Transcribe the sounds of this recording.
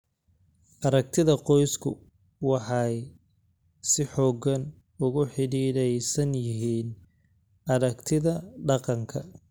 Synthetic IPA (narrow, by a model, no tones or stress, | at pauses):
ʔɐɾɐk̚t̪ʰɪðɐqɔjskʰʊ̰ | wɑħɑj | sɪħɔːɡɐn | ʊɣʊħɪɽiːɾɛjsɐnjɪɦiːn | ʔɐɾɐkt̪ʰɪðɐɖɑqɑŋkʰɐ